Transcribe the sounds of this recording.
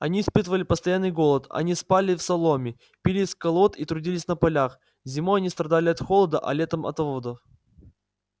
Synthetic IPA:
ɐnʲiːspɨt̪əvəlʲɪpəst̪ɐjanːɨjɡo̞lˠət̪ɐ̰nʲispalʲɪfsɐlˠomʲɪ | pʲilʲiskɐlˠo̞t̪it̪ɾʊdʲilʲɪsʲnəpɐlʲax | zʲɪmoɐnʲist̪ɾɐd̪alʲɪɐt̪xolˠəd̪əʔɐ̰lʲe̞t̪əmɐ̰t̪ovod̪əf

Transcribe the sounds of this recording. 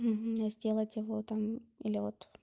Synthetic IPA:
m̩ɦ̩zʲdʲe̞lˠətʲjɪvot̪amilʲɪvot̪

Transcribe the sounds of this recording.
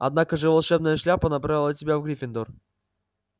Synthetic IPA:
ɐ̰d̪nakəʐɨvalˠʂɛbnəjəʂlʲapənɐpɾavʲɪlˠətʲɪbʲavɡɾʲɪfʲɪnd̪or

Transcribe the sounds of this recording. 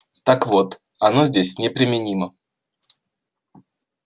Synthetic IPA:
t̪akvo̞t̪ | ɐno̞zʲdʲesʲnʲɪpɾʲɪmʲɪnʲimə

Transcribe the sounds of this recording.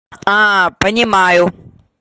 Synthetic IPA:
ãːpɐ̃ɲmãaːjoː

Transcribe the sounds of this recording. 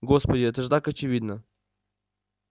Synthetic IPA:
ɡospɐdʲɪɛt̪əʐt̪akɐt͡ɕɪvʲid̪nə

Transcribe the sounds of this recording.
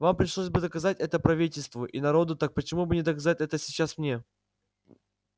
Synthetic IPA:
vampɾʲɪʂlˠosʲbɨd̪əkɐzatʲɛt̪əpɾɐvʲitʲɪlʲst̪vʊʔḭnɐɾo̞d̪ʊt̪ak̚pət͡ɕɪmubɨnʲɪd̪əkɐzat̚ʲɛt̪əsʲɪt͡ɕːasmnʲe̞

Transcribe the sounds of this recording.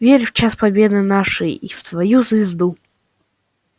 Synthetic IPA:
vʲeɾʲft͡ɕaspɐbʲed̪ɨnaʂɨjift̪vɐjuzvʲɪzd̪u

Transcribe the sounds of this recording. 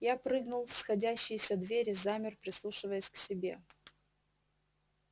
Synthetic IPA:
japɾɨɡnʊlˠfsxɐdʲæɕːɪjsʲɐd̪vʲeɾʲɪzamʲɪrpɾʲɪslˠuʂɨvəjəsʲksʲɪbʲḛ

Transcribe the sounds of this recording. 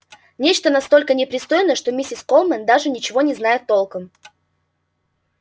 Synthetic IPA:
nʲet͡ɕt̪ənɐst̪o̞lʲkənʲɪpɾʲɪst̪o̞jɪnəʂt̪o̞mʲisʲɪskolˠmənd̪aʐɨnʲɪt͡ɕɪvo̞nʲɪznajɪt̪ːo̞lˠkəm

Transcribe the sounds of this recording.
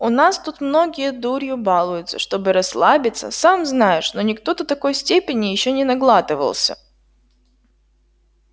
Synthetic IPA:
ʊnast̪ut̪mno̞ɡʲɪjəd̪uɾʲjʊbalˠʊjʊt̪sə̰ʂt̪o̞bɨɾɐslˠabʲɪt̪sə̰samznajɪʂno̞nʲɪkt̪o̞d̪ət̪ɐko̞jsʲtʲepʲɪnʲɪjɪɕːo̞nʲɪnɐɡlˠat̪ɨvə̰lˠsʲə̰

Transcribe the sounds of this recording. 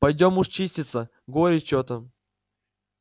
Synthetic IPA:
pɐjdʲomuʂt͡ɕisʲtʲɪt̪sə | ɡoɾʲɪt͡ɕot̪ə

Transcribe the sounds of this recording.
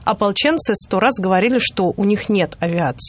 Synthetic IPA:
ɐpɐlˠt͡ɕent̪sɨst̪o̞ɾazɡəvɐɾʲilʲɪʂt̪o̞ʔʊnʲixnʲe̞t̪ɐvʲɪat̪sɨ̥

